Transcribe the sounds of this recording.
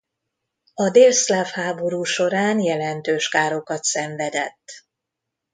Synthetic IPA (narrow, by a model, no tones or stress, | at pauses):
ɒd̪eːlslafhaːboɾuːʃo̞ɾaːnjɛlɛnt̪øːʃkaːɾo̞kɒt̪sɛɱvɛd̪ɛt̪ː